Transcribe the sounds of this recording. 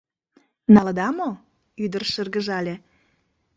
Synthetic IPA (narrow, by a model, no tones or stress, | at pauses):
nɑləd̪ɑmo | yd̪ərʃərɣə̆ʒɑlʲĕ